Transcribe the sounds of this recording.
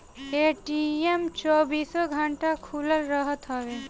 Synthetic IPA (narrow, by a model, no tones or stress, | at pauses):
eʈiemt͡ʃɔbiːsɔɡʱəɳʈakʰuləlɾəɦət̪ɦɔʋe